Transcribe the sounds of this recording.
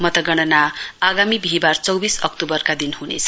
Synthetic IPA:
mʌt̪ʌɡʌɽ̃ʌnaːɡamibʱiɦibart͡sʌwbisʌk̚t̪ubʌrkad̪inɦunḛt͡sʰʌ̥

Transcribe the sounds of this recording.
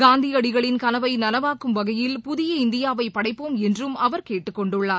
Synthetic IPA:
ɡaːnd̪iɐɽɪɣɐɭɪnkɐnɐʋɐɪnɐnɐʋaːkːɯmʋɐɣɐjɪlpʊðɪjɐɪnd̪ɪjaːʋɐɪpːɐɽɐɪpːoːmɛndrɯmɐʋɐɾkeːʈːɯkːɔɳɖɯɭːaːɾ

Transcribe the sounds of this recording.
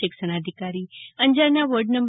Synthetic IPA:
ikʃəɽ̃ad̪ʱikaɾiənd͡ʒaɾnaʋəɾɖnəmb

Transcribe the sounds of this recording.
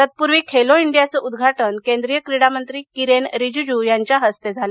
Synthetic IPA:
ət̪̚puɾʋiːkʰeloiɳɖijat͡səʔud̪ɡʱaʈənkẽnd̪ɾijəkɾiɽamənt̪ɾiːkiɾenɾid͡ʑud͡ʑujaɲt͡ɕjaɦəst̪ed͡zʱal

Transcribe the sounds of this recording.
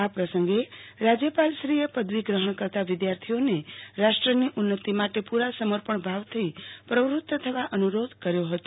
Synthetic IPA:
apɾəsəŋɡeɾad͡ʒjəpalʃɾijepəd̪ʋiɡɾəɦəɳkəɾt̪aʋɪd̪jaɾt̪ʰioneɾaʃʈɾəniʔunːət̪imaʈepuɾasəməɾpəɳbʱaʋt̪ʰipɾəʋɾut̪ːət̪ʰəʋaʔənuɾod̪ʱkəɾjoɦət̪o̥

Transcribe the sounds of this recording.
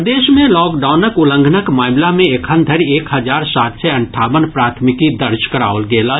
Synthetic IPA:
d̪eːʃmẽlɔːkɖaːʊnəkʊlə̃ŋɡʱnəkmaːmlamẽekʰə̃nd̪ʱəɾieːkɦɐd͡ʒaːɾsaːt̪seɐ̃ɳʈʰaːʋənpɾaːt̪ʰmɪkid̪əɾt͡ʃkəɾa̰ːoʊlɡeːlaː

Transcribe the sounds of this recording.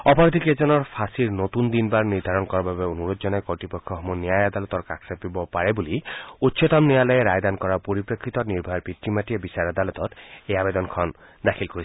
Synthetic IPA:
ɔpɔɾɔd̪ʱiked͡ʒɔnɔɾpʰasiɾnot̪und̪inbaɾniɾd̪ʱaɾɔnkɔɾɔbabeonuɾodd͡ʒɔnɔjkɔʈɾipɔkʰːɔɦɔmunijajad̪alɔt̪ɔɾkakʰɾapibɔpaɾebuliutːʃɔt̪amnijalɔeɾajd̪ankɔɾapoɾipɾɔkʰːɾit̪ɔniɾbʱaɔɾpit̪ɾimaʈiebisaɾad̪alɔt̪ɔteabed̪ɔnkʰɔn | d̪akʰilkoɾi

